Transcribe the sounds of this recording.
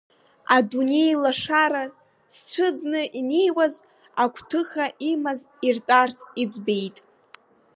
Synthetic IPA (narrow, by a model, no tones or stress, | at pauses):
adune̞jlaʂaɾa | sʈ͡ʂʷʰɨd͡znɨʔine̞jwaz | akʷʰtʰɨχaʔimaz | irtʼart͡sʰid͡zbe̞jtʼ